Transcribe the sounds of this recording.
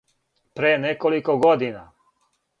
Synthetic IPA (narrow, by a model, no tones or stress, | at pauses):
pɾeːnekolikoɡod̪ina̰